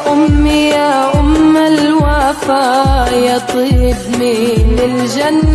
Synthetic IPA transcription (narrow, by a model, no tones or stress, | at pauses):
ʔʊmːɪjaʔʊmːalwafaːjat̪ˤɨhɪbmilɪld͡ʒanː